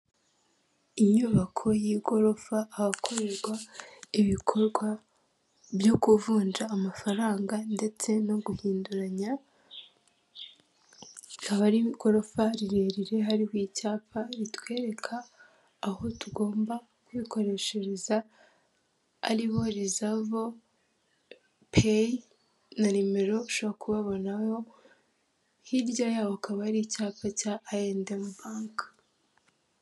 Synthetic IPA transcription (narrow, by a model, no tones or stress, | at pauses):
iɲuβakʰo̞jiɡo̞ɾo̞faːhakʰo̞ɾe̞ɾɡwaiβikʰo̞ɾɡwa | bjo̞kuvuːnd͡ʒaːmafaɾaːŋɡande̞t͡se̞no̞ɡuhiːnduɾaɲa | aβaɾiɡo̞ɾo̞faɾiɾeːɾiɾe̞ɦaɾihwiːcaːpaɾitwe̞ːɾe̞kʰaː | ɦotuɡo̞ːmba | kuβiko̞ɾe̞ːʃeɾeza | ɾiβo̞ɾizavo | pʰe | naɾime̞ɾo̞uʃoβɾakuβaβo̞naho̞ | hiɾɟajaːβoakaβaɾicaːpacaʔːjeːndemuβaːŋka